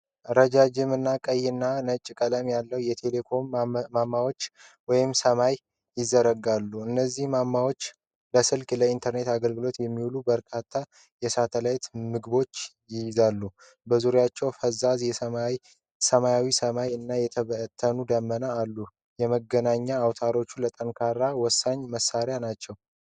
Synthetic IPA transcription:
ʔɾəd͡ʒad͡ʒɪmɨnːakʼəjːɪnːanət͡ʃʼːkʼələmjalːəwjɛt̪ʰe̞le̞kʰo̞mːamːawo̞t͡ʃːwɔjɪmsəmaj | jɪzːəɾəɡalːuɨnːəzːihmamːawo̞t͡ʃː | ləsɨlkʼləint̪ʰəɾne̞t̪aɡəlɡɨlo̞t̪jɛmːiwulubəɾkʰat̪ʰːa | jɛsat̪ʰəlajt̪mɨɡbo̞t͡ʃː | jɪjzalːu | bəzuɾjat͡ʃːɛwfəzazjɛə | səmajawisəmajɨnːajɛt̪ʰəβət̪ʰːənud̪əmːənəalːu | jɛməɡənaɲːaːwt̪ʰaɾo̞t͡ʃːulət̪ʼənkʰaɾawɔsːaɲːməsːaɾjanat͡ʃːɛw

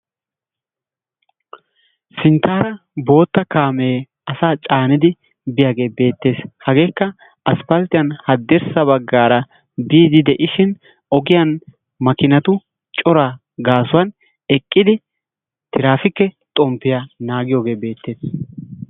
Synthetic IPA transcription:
sɪnt̪ʰːaːɾɐ | bo̞ːt̪ːɐkaːmeː | ɐsaːt͡ʃʼaːnɪd̪ɪ | bɪjaːɡe̞ːbe̞ːt̪ːe̞ːshɐɡe̞ːkːɐ | ɐspɐlt̪ɪjɐnhɐd̪ːɛɾsɐbɐɡːaːɾɐ | biːd̪ɪd̪ɛʔɪʃɪn | ɔɡɪjɐn | mɐkɪnɐt̪ʊ | t͡ʃʼɔɾaː | ɡaːsʊwɐn | ɛkʼːɪd̪ɪ | t̪ʰɪɾaːfɪkːɛt̪ʼɔmpːɪjanaːɡɪjo̞ːɡe̞ːbe̞ːt̪ːe̞ːs

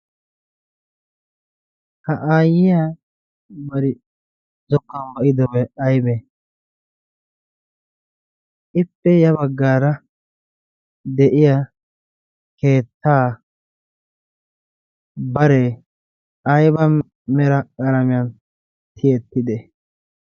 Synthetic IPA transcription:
hɐʔaːjɪjaː | bɐɾɪ | zɔkːɐnbɐʔɪd̪ɔwɛɐjbɛ | ʔɪpːɛjɐbɐɡːaːɾɐ | d̪ɛʔɪja | ke̞ːt̪ːaː | bɐɾe | ʔɐjbɐ | mɛɾɐkʼɐɾɐmɪjɐn | t̪ʰɪjɛt̪ːɪd̪ɛ

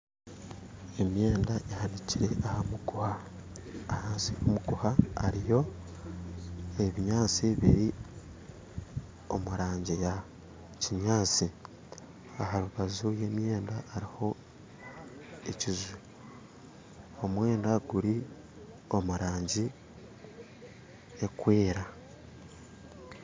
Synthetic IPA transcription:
e̞mje̞ːndaehaniciɾe̞ʔahamukuhaː | haːnsiomuɡuhaa̰ɾijo̞ | eβiɲaːt͡siβḭɾi | o̞̰muɾaːɲɟija | ciɲaːt͡si | ahaɾuβazuje̞ːmje̞ːndaːɾiho̞ | ecizu | omwe̞ːndaɡuɾi | o̞muɾaːɲɟi | e̞kweːɾa

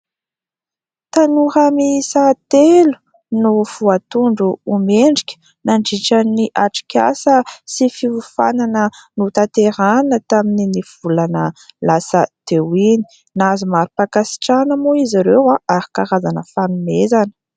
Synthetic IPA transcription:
t̪anuɾamisat̪elu̥ | nuv̥uat̪uɳɖ͡ʐuːmeɳɖ͡ʐikʲə̥ | naɳɖ͡ʐiʈ͡ʂaniʔaʈ͡ʂi̥kʲa̰səsifivufa̰nanənut̪at̪eɾanət̪amininiv̥ulanəlasəd̪̥ewini̥ | nazumaɾupakasi̥ʈ͡ʂanəmoiziɾewaʔaɾi̥kaɾazanəfanumezanə̥

